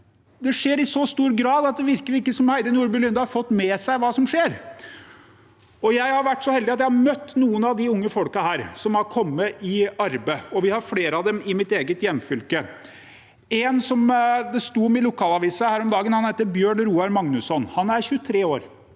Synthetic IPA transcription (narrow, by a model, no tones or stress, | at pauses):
d̪ɛʂeːɾɪsɔst̪uːɾɡɾɑːd̪ɑt̪̚d̪ɛʋɪɾkəɾɪkːəsɔmhæɪd̪ənuːɾbʉlʏnd̪ɑhɑɾfɔt̪ːmɛsæɪʋɑːsɔmʂeːɾ | ɔjæɪhɑɾʋæʈːsɔhɛld̪ɪɑt̪jæɪhɑɾmœt̪ːnuːənɑʋd̪ɪʊŋːəfɔlkɑhæːɾsɔmhɑɾkʰɔmːəʔɪɑɾbəɔʋɪhɑɾfleːɾəɑʋd̪ɛmɪmɪt̪eːɡət̪jɛmːfʏlkə | ɛnsɔmd̪ɛst̪uːmɛɪlʊkʰɑːlɑʋiːsəhæːɾɔmd̪ɑːɡənhɑnheːt̪ːəbjøːɳɾuːɑɾmɑŋnʉsɔnhɑnæɾçʉt̪ʰɾeːoːɾ